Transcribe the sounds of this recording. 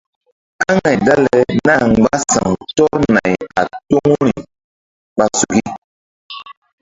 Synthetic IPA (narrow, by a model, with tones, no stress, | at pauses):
ka˦ŋa˨jda˦lɛ˨na˦˨ŋ͡mɡ͡ba˦sa˨ŋtɔ˦ɾna˨ja̰˨to˦ŋ˦ɾi˨ | ɓa˨su˨ɡi˦